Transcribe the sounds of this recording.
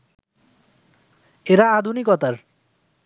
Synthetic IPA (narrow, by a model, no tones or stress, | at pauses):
eɾaːd̪ʱunikɔt̪aɾ